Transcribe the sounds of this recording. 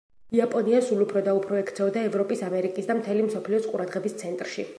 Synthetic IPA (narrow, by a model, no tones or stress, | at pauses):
iapʼɔniasulˠupʰɾɔd̪aupʰɾɔɛkʰt̪sʰɛɔd̪aɛvɾɔpʼisamɛɾikʼisd̪amt̪ʰɛlimsɔpʰliɔsqʼuɾad̪ʁɛbist̪sʰɛnt̪ʼɾʃi